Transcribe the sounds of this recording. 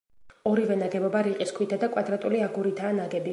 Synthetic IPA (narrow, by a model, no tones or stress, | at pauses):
ɔɾivɛnaɡɛbɔbaɾiqʼiskʰwit̪ʰad̪akʼwad̪ɾat̪ʼuliaɡuɾit̪ʰaːnaɡɛbi